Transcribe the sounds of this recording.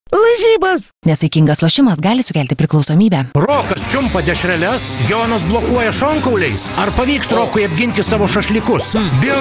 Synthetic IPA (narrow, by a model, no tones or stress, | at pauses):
lˠɐʒʲiːbɐs | nʲɛsɐɪkʲɪŋɡɐslˠoːʃʲɪmɐsɡɑːlʲɪsʊkʲæːlʲt̪ʲɪpʲɾʲɪklˠɒʊsoːmʲiːbʲæːroːkɐst͡ʃʲʊmpɐd̪ʲɛʃʲɾʲɛlʲɛsjoːnoːs̬blˠoːkuɔjɛʃoːŋkɐʊlʲɛɪsɐɾpɐʋʲiːksɾoːkʊɪɐbʲɡʲɪnʲt̪ʲɪsɑːʋoːʃɐʃʲlʲikʊsbʲɪ